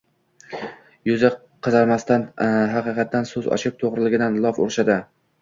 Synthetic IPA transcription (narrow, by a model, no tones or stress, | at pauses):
jʊza | qʰɨzaɾmast̪anɦɑqɨqʰɑt̪̚ːansɵzɒ̰ʃɪp̚t̪ʰoʁɾɪlɪɡʲɪd̪anlˠɒfo̰ɾʃad̪ɪ